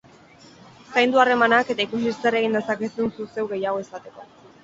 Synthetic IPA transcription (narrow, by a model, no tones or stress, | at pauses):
sajnd̪uare̞manake̞t̪aikus̬isare̞ɣ̞ind̪e̞sakesunsuse̞wɣe̞jaɣ̞o̞e̞sat̪e̞ko̞